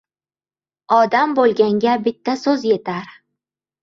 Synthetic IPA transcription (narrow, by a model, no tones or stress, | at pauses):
ɒd̪ambolˠɡʲaŋɡʲabɪt̪ʰːasɵzje̞t̪ʰaɾ